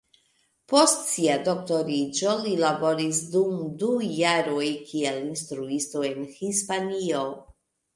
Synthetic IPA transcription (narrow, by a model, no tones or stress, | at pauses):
po̞stsiado̞k̚to̞ɾid͡ʒo̞lilabo̞ɾis̬dumdujaɾo̞jkʰielinstɾuisto̞e̞nhispanio̞